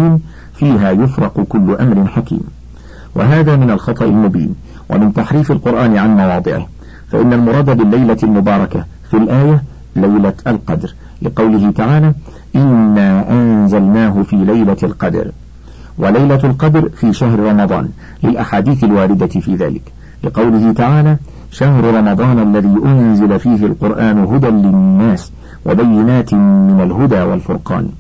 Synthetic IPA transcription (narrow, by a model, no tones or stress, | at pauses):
iːm | fiːɦaːjʊfɾˤɑqʊkʊlːʊʔamɾɪnħakḭːm | wa̰ɦaːðaːmɪnalxɑt̪ˤɑʔɪ̰lmʊbḭːn | wa̰mɪnt̪aħɾiːfalqʊɾʔaːnʕanmɑwɑːd̪ˤɨʕɪ̰h | fa̰ʔɪnːalmʊɾˤɑːd̪abɪlːajlalmʊbɑːɾˤɑka | filʔaːja | lajlaalqɑd̪ɾ | lɪqɑwlɪhɪt̪aʕaːlaː | ʔɪnːaːʔanzalnaːɦʊfiːlajlalqɑd̪ɾ | wʔalajlalqɑd̪ɾfiːʃaɦɾɾˤɑmɑd̪ˤɑ̰ːn | lɪlʔaħaːd̪iːθalwaːɾɪd̪afiːða̰ːlɪ̰k | lɪqɑwlɪɦɪt̪aʕaːlaː | ʃaɦɾʊɾˤɑmɑd̪ˤɑːnʔalːaðiːʔʊnzɪlafiːɦɪlqʊɾʔaːnʊɦʊd̪anlɪnːaːs | wa̰bajːɪnaːt̪mɪnalɦʊd̪aːwa̰lfʊɾqɑ̰ːn